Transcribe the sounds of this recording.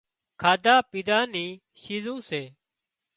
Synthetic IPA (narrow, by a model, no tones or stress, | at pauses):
kʰaːd̪aːpiːd̪aːniː | ʃiːzũːseː